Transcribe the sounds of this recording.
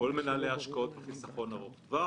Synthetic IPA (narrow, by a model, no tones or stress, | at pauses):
olmenaːleaʃkao̞t̪̚beχisaχo̞naʁoχva